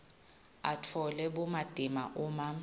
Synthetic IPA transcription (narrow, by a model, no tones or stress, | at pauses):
a̰tʰɔlɛɓumad̥ʱimaʔuːma